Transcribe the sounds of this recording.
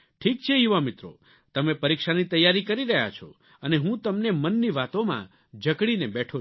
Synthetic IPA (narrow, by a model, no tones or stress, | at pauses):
ʈʰik̚t͡ʃʰeɦiʋamɪt̪ɾo̰ | t̪əmepəɾikʃanit̪əjːaɾikəɾiɾəɦja̰t͡ʃʰo̰ | əneɦũt̪əmnemənːiʋat̪omã̰ | d͡ʒəkɽinebɛʈʰo